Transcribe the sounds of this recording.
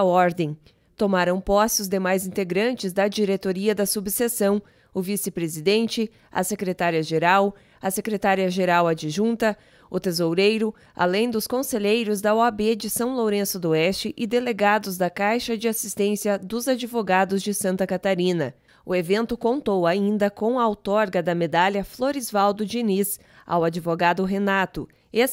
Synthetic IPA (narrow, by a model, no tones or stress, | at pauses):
ɔɾd̪ẽj̃ | t̪omaɾɐ̃w̃pɔsɪʊzd̪emajzĩnt̪eɡɾɐ̃nt͡ʃɪzd̪ɐd͡ʒiɾet̪oɾiɐd̪ɐsubsesɐ̃w̃ | ʊvisɪpɾezid̪ẽnt͡ʃɪ | ɐ̰sekɾet̪aɾiɐʒeɾaw | ɐsekɾet̪aɾiɐʒeɾawɐd͡ʒɪʒũnt̪ɐ | ʊt̪ezowɾejɾʊ | a̰lẽj̃d̪ʊskõseʎejɾʊzd̪ɐoabed͡ʒɪsɐ̃w̃lowɾẽsʊd̪oɛst͡ʃɪʔɪd̪eleɡad̪ʊzd̪ɐkajʃɐd͡ʒɪasist̪ẽsijɐd̪ʊzad͡ʒivoɡad̪ʊzd͡ʒɪsɐ̃nt̪ɐkat̪aɾĩnɐ | ʊevẽnt̪ʊkõnt̪owaĩnd̪ɐkõw̃ɐawt̪ɔɾɡɐd̪ɐmed̪aljɐfloɾizvawd̪ʊd͡ʒinis | a̰wad͡ʒivoɡad̪ʊɦenat̪ʊ | es